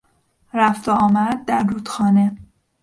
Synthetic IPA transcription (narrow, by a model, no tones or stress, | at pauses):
ɾæft̪eɒːmæɾd̪̚ːæɾːuːd̪xɒːne̞